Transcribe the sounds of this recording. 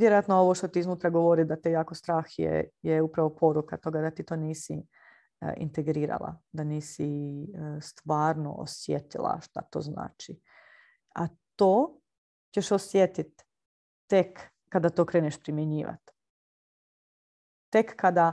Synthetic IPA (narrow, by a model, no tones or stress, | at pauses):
jeɾojat̪noo̞ʋoʃt̪o̞t̪iznuːt̪ɾaɡoʋoɾid̪at̪ejaːkost̪ɾaːxjḛjeupɾaʋo̞pʰo̞ɾukat̪o̞ɡad̪at̪iːt̪o̞ːniːsi | ḭnt̪eɡɾiːɾa̰lˠa̰d̪aniːsi | st̪ʋaːɾno̞̰ʔo̰sjet̪ilˠa̰ʃt̪a̰t̪o̞̰zna̰ːt͡ʃi | a̰t̪oː | ceʃosjet̪it̪ː | ekː | ad̪at̪o̞kɾeːneʃpɾimjeɲiːʋa̰t̪ | ekːad̪a